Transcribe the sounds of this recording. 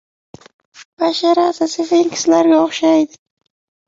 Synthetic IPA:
b̥aʃaɾazasefeiŋkʲʰɪ̥slaɾɡʲaoχʃajd̪ɪ

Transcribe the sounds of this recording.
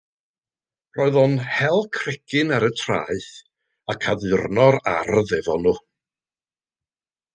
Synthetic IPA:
rɔːɨðɔnhɛlˠkʰrɪkʰɪnaɾətʰra̰ːɨθ | akʰaðɨrnɔɾa̰rðɛvɔnu

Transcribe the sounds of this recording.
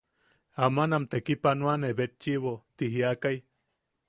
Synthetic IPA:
amanamt̪ekipanuaneβet̪t͡ʃiβot̪iɦiakaj

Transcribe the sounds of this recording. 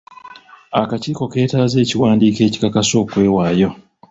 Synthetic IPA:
akaciːko̞ke̞ːtaze̞ːciwaːndiːke̞ːci̥kakaso̞ːkwe̞ːwaːjo̞

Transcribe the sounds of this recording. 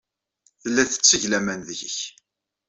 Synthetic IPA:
θəlːæθə̥t͡sːəʝlæmænðəçəç

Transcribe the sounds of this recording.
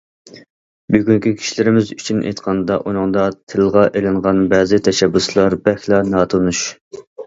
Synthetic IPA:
byɡʲyŋkʲikʲʰi̥ʃilɪɾɪmɪzyt͡ʃʰynʔḛjt̪qʰɑnd̪ɑʔunɨŋd̪ɑt̪ʰɪlˠʁɑʔelɪɴʁɑnbɛːzɪt̪ʰɛʃɛbːuslˠɑɾbɛxʲlˠɑnɑːt̪ʰonuʃ

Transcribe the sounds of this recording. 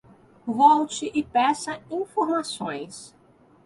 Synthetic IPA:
vɔwt͡ʃɪʔɪpɛsɐĩfoɾmasõj̃s

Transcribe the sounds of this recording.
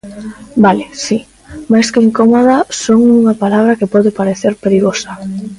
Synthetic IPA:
balɪsi | majskeiŋkomoðasoŋuŋapalaβ̞ɾakepɔðepaɾeθeɾpeɾiɣosɐ

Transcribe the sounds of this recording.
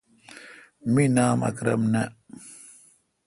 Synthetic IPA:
minaːmɐ̰kɾɐmnɐ

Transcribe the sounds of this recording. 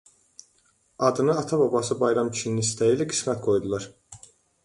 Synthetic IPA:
ɑd̪ɯnɯɑt̪ʰɑbɑbɑsɯbɑjɾɑmʰi̥t͡ʃʰininist̪ʰæjiːlæɡi̥smæt̪ɡo̞jd̪ulˠɑɾ

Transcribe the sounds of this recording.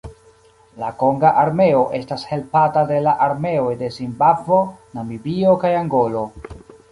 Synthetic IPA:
lako̞ŋɡaʔaɾme̞o̞ʔe̞stashe̞lpatade̞laʔaɾme̞o̞jde̞zimbavo̞namibio̞kajaŋɡo̞lo̞

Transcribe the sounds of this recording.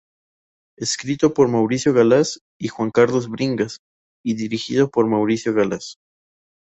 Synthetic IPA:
eskɾit̪o̞poɾmawɾisjo̞ɣalas | ixwaŋkaɾlozβɾiŋɡas | iðiɾixḭðo̞poɾmawɾisjo̞ɣalas

